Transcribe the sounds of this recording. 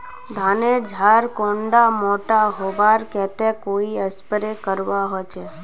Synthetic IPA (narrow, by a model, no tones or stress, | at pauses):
d̪ʱaned͡ʒʱaɾkõɳɖamoʈaɦoʋaɾkɛt̪ekoiəspəɾekəɾʋaɦojt͡ʃʰe